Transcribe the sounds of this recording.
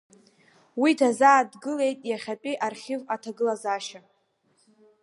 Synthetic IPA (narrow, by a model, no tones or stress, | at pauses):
witʰazaːdɡɨle̞jtʼjaχʲapʼiʔarχʲɪvatʰaɡɨlazaʃa